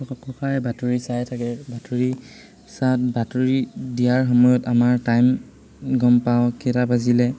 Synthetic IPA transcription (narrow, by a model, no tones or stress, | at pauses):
kɔkʰaɹɛbatuɹisajtʰakɛbatʰuɹi | sat̚batuɹidijaɹxɔmɔjɔtamaɹtajm | ɡɔmpawkɛtabazilɛ